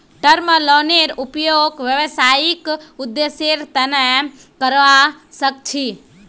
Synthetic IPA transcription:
ʈəɾməlɔneɾupjoːɡʋjəʋəsaːjikud̪ːeseɾt̪ənə | kəɾʋa | sək̚t͡ʃʰi

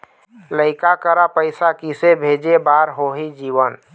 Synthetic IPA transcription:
ləɪkakəɾapəɪsakisebʱed͡ʒebaɾɦoɦid͡ʒiʋən

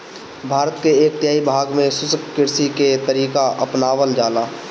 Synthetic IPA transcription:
bʱaːɾət̪keeːk̚t̪jaːibʱaːɡmẽsʊsəkkɪɾsiket̪əɾiːkaʔəpnaːʋəld͡ʒaːlaː

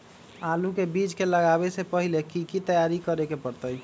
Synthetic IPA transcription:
alukebid͡ʒkeləɡabesepəɦilekikit̪əjaɾikəɾekepəɾt̪əj

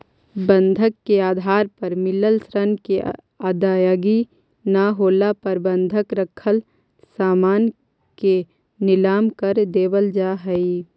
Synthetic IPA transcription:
bə̃nd̪ʱəkːeaːd̪ʱaːɾpəɾmɪləlsɾənke | aːd̪aːjoɡi | naɦoːlapəɾbə̃nd̪ʱəkɾəkʰəl | saːmaːn | ke | nɪlaːmkəɾd̪eːbəld͡ʒaːɦɛi

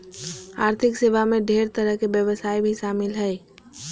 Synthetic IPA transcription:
aːɾt̪ʰɪkseːʋamẽɖʱeːɾt̪əɾəɦkebjəʋəsaːibʱiʃaːmɪlɦɛː

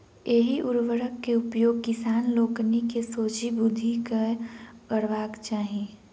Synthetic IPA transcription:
jeːɦiʔʊɾʋəɾəkːeʊpjoːɡ̚kɪsaːnloːknikesoːt͡ʃibʊd̪ʱikakəɽʋaːkt͡ʃaːɦieː

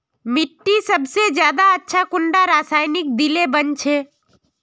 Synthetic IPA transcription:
mɪʈːisəbsed͡ʒjaːd̪aətːʃʰakʊɳɖaɾaːsaːɪnɪk̚d̪ɪlebənt͡ʃʰeː

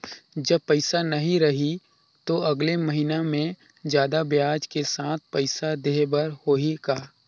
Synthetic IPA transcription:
d͡ʒɐbpɐɪsanɐɦĩɾɐɦi | t̪oɐɡleməɦinamẽ | d͡ʒjaːd̪abjaːd͡ʒkesãːt̪̚ʰpɐɪsad̪eːɦbəɾhoɦiɡaː

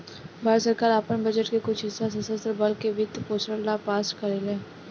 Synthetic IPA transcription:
bʱaːɾsəɾkaːɾaːpənbɐd͡ʒəʈkekʊt͡ʃʰɪsːasɐsəsəɾbɐlkebɪt̪poːsʈəɾlapaːsʈkɐɾelɛː

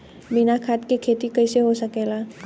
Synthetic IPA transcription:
binakʰat̪kekʰeːt̪ikəɪseɦosəkeːlaː

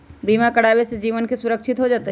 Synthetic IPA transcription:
biːmakɐɽaːwesed͡ʒiːʋənkesʊɾəkʃɪt̪ɦod͡ʒaːt̪e

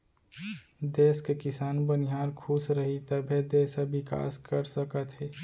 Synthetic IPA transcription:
d̪eːskekɪsaːnbənɪɦaːɾkʰuːsɾəɦit̪əbʱed̪eːsəbɪka̰ːskəɾsəkət̪ɦɛː

